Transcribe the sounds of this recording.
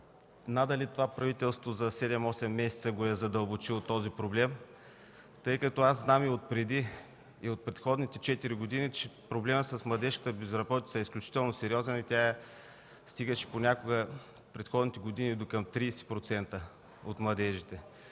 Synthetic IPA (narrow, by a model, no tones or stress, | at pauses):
nad̪ɐlit̪ovapɾɐvit̪ɛlˠst̪vozɐsɛd̪ɛmɔsɛmːɛsʲɛt̪səɡoɛzɐd̪əlˠbot͡ʃilˠot̪ːɔzipɾoblɛm | t̪ɤjkɐt̪ɔazznamiot̪̚pɾɛd̪i | iot̪̚pɾɛt̪xɔd̪nit̪ɛt͡ʃɛt̪iɾiɡod̪init͡ʃɛpɾoblɛməsəsmlˠɐd̪ɛʃkə̥t̪əbɛzɾɐbɔt̪it̪səɛisklʲut͡ʃi̥t̪ɛlˠnosɛɾiɔzɛnit̪ʲa | st̪iɡəʃɛ̥ponʲakoɡə | pɾɛt̪xɔd̪nit̪ɛɡod̪inid̪okɐmt̪ɾiːsi̥pɾot̪sɛnt̪ə | ot̪mlˠɐd̪ɛʒit̪ɛ